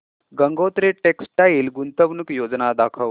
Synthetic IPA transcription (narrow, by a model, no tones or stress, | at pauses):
ɡəŋɡot̪ɾeʈeksʈailɡunt̪əʋnukjod͡znad̪akʰəʋ